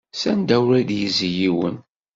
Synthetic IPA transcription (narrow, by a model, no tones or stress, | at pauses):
sænd̪æwɾæd̪jəzəjiwə̰n